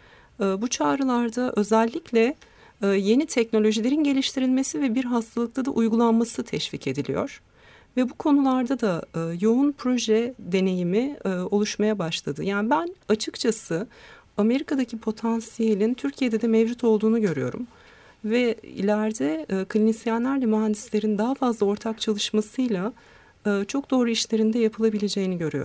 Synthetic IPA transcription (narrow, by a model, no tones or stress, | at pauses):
ɯːbut͡ʃʰaːɾɯlˠaɾd̪aʔø̞zælʲːiclʲɛ | je̞nit̪ʰɛcno̞lʲo̞ʒilʲe̞ɾinɟe̞lʲiʃt̪ʰiɾilʲme̞sivɛbiɾɦast̪ʰalˠɯkt̪ʰad̪aʔujɡulˠanmasɯt̪ʰɛʃvicʰe̞d̪ilʲḭjo̰ɾ̥ | vɛbukʰo̞nulˠaɾd̪ad̪ajo̞unpʰɾo̞ʒɛd̪e̞ne̞jimiːo̞lˠuʃmajabaʃlˠad̪ɯjaːnibænat͡ʃʰɯkt͡ʃʰasɯ | ame̞ɾikʰad̪acʰipʰo̞t̪ʰansijelʲint̪ʰyɾcʰijed̪ɛd̪ɛmɛvd͡ʒut̪ʰo̞lˠd̪uːnuɟø̞ɾyjo̞̰ɾṵm | vɛḭlʲæɾd̪ɛːkʰlʲinisijanlʲˠæɾlʲɛmyɦand̪islʲe̞ɾind̪aɦafazlˠao̞ɾt̪ʰakt͡ʃʰalˠɯʃmasɯjlˠa | ɯːt͡ʃʰo̞k̚d̪o̞ːɾuiʃlʲe̞ɾind̪ɛjapʰɯlˠabilʲe̞d͡ʒe̞jiniɟø̞ɾyjo̰